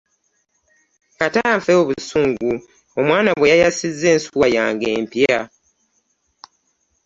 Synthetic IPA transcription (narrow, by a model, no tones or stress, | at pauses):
kataɱfeoβusuːŋɡu | omwaːnaβwe̞jajasizːe̞ːnsuwajaːŋɡe̞ːmpja